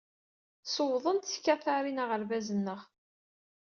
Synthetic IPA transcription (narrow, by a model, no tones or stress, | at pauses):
səwðˤənt̪θkːæθaɾinəʁəɾvæzənːəʁ